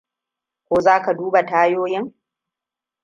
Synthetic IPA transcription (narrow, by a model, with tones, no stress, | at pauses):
kʷoː˦zaː˦ka˨duː˦ba˨taː˦joː˦jɪ˦ŋ